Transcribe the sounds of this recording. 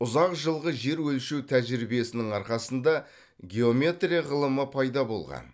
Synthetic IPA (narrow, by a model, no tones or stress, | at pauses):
ʊzɑqʒəlˠʁəʒe̞ɾwɵlʃewt̪ʰæʒɾibije̞sɪnɪŋɑɾqɑsənd̪ɑ | ɡʲe̞o̞mʲe̞t̪rʲijaʁəlˠəməpʰɑjd̪ɑbo̞̰lˠʁɑ̰n